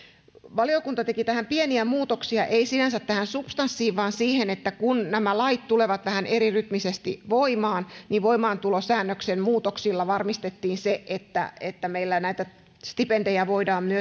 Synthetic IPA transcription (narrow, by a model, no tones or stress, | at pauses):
ʋɑliokunt̪ɑt̪e̞kit̪æhæmpieniæmuːt̪oksiɑʔeisinænsæt̪tæhænsupst̪ɑnsːiːʋʋɑːnsiːhenet̪ːækunnæmælɑit̪t̪uleʋɑt̪ʋæhænʔeɾiryt̪misest̪iʋoimɑːnniʋʋoimɑːnt̪ulosæːnːøksenmuːt̪oksilːɑʋɑrmist̪et̪ːiːnseʔet̪ːæ̰et̪ːæmeilːænæit̪æ | st̪ipendejæʋoidɑːmmyø